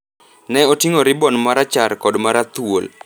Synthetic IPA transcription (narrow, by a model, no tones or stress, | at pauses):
nɛotiŋoɾɪbɔnmaɾat͡ʃaɾkɔdmaɾat̪wol